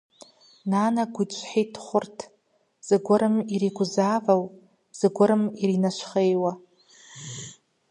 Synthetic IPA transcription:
nanaɡʷʊt͡ʃʷʰʼħitʰχʷʊrtʰ | z̥ɨɡʷʊɾɨmiɾiɡʷʊzaːvaw | z̥ɨɡʷʊɾɨmiɾinaʃʷχejwa

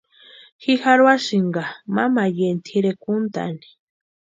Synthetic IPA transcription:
xixaɾwaʃiɴɡamamajent̪ʰiɾekunt̪a̰ni̥

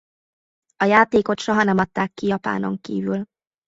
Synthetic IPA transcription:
ɒjaːt̪eːko̞t̪ʃo̞ɦɒnɛmɒt̪ːaːkːijɒpa̰ːno̞̰ŋkḭːvyl

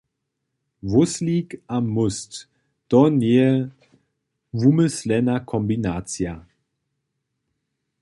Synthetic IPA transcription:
vʊsliːkammːʊst | d̥ɔneːə | vuməslɛnɐkʰɔmbinaːt͡sja

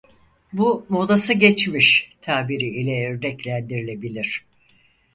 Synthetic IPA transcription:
bumod̪asɯɟɛt͡ʃmiʃt̪ʰaːbiɾiilʲɛøɾd̪ɛclʲænd̪iɾilʲe̞bilʲiɾ̝̥

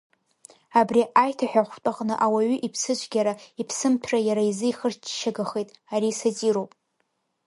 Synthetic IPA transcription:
abriʔajtʰaħᶣaχʷt͡pʷʼaqʼnɨʔawaɥʏʔipʰsɨt͡ʃʷʰʼɡʲaɾaipʰsɨmpʰrajaɾaizɨjχərʃaɡaχejtʼaɾisat͡sʼiɾowpʼ

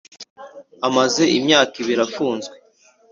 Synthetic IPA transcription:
amaze̞ʔimɲaːkiβiɾafuːnzɡwe

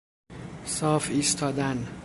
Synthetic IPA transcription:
sɒːfiːst̪ʰɒːd̪æn

